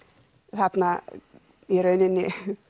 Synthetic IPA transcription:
θat̪na | ɛɾœɥnɪnːɪ

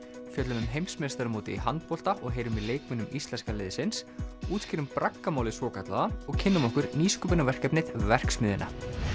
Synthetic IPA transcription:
fjœt̪lʏmʏmɦejmsmest̪aɾmoːt̪ɪhant̪̚pɔl̥t̪aʔɔɣɦeːjɾʏmileːjkmɪnʏmist̪lɛnskalɪðɪsɪnsuːt̪scɪɾʏmpɾakːamaːwlɪsɔːkat̪la̰ðaɔɣcʰɪnːʏmɔhkʏɾniːskʏːpɪnavɛr̥kɛpnɪðvɛr̥ksmɪðɪnʔa̰

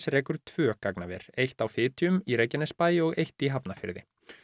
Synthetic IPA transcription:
sɾɛːkʏɾ̥t̪ʰv̥œːkaknavɛ̰ɾ̥ejht̪awfɪːt̪ʰiʏmiɾejcːɛnɛspaːjɪɔɣejht̪iɦapnafɪ̰ɾðɪ̰

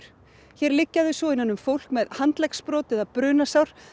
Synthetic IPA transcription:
ɾ̥ | çɛɾlɪcːaðʏsɔɪnanːʏmfowl̥kmɛðhant̪lɛkspɾɔːt̪ɪɛðapɾʏːnasawɾ̥

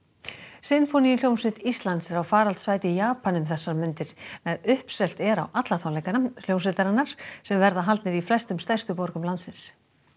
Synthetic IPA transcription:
sɪnfonijɪljownsɪt̪ist̪lant̪sɛɾawfaːɾalt̪svaːjt̪ɪjaːpanʏmθɛsːaɾmʏnt̪ɪɾ̥nɛɾʏhpsɛlt̪ɛɾa̰wʔat̪laθaw̪lejkanal̥jownsɪt̪aɾanːaɾ̥sɛmvɛɾðaɦalt̪nɪɾiflɛst̪ʏmst̪ajrst̪ʏpɔɾkʏmlant̪sɪns

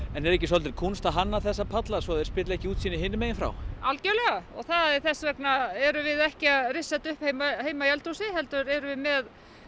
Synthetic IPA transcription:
ɛnɛɾɛhcːɪsɔlt̪ɪɾkʰunst̪aɦanːaθɛsːapʰat̪lasvɔðɛɾspɪːt̪laɛhcɪuːt̪sinɪɦɪnːɪmeːjɪnfɾa̰walcɛɾlɛɣaɔ̰ɣθaðɛɾθɛsvɛknaɛɾʏvɪðɛhcɪaðrɪsːat̪ʏhphejmaheːjmajɛlt̪usɪɦɛlt̪ʏɾɛɾʏvɪðmɛð

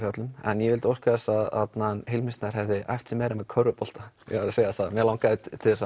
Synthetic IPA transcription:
jat̪lʏmɛ̰njɛvɪlt̪owskaðɛsaðat̪nanhejlmɪst̪naɾ̥ɦɛvðɪʔa̰jft̪sɛmːɛɾamɛðkʰœɾʏpɔl̥t̪a | jɛ̰ɣvaɾaseːjaθamɛɾlawŋkaðɪtt̪ʰɪlθɛsa

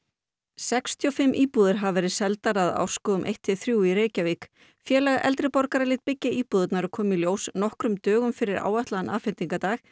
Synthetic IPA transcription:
sɛkst̪ʰiɔfɪmːʔiːpuːðɪɾ̥ɦavvɛːɾɪðsɛlt̪aɾaða̰wr̥skɔːðʏmʔḛjht̪ɪθɾjuwiɾeːjcaviːk | fjɛːlɛɣaʔɛ̰lt̪ɾɪpɔɾkaɾalɪːt̪̚pɪcːɪiːpuðʏt̪naɾʏkʰɔːmiljoːwsnɔhkɾʏmt̪œːɣʏmfɪɾɪɾa̰ːwaht̪laðanʔa̰ːfɪnt̪iŋkat̪aːx

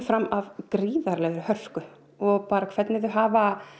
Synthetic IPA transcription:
fɾamːavkɾiːðaɾlɛːɣɾʏhœr̥skʏ | ɔɣpaːɾakʰv̥ɛt̪nɪðʏɦaːva

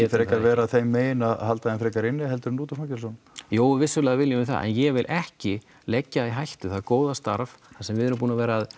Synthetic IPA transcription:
ɛfɾejkaɾvɛːɾaðθejmːeːjɪnaɦalt̪aðɪnfɾejkaɾɪnːɪɦɛlt̪ʏɾnuːt̪ʏ̥facɛlsɔn | joːwvɪsːʏlɛːɣavɪljʏmɪθa̰ʔɛ̰njɛvɪlʔɛhcɪ | lɛcːaiɦajht̪ʏθaðkoːwðast̪a̰ɾvθasɛmvɪðɛɾʏmpuːnavɛːɾaːð

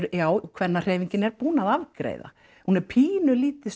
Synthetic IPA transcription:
ɾʏjaːwkʰvɛnːar̥eːjviɲcɪnɛɾpuːnaðavkɾḛjða̰ | hunɛɾpʰiːnʏliːt̪ɪs

